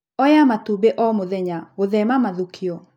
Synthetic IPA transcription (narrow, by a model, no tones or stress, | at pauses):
ɔjamatubeʔɔmoðɛɲaoðɛmamaðukʰiɔ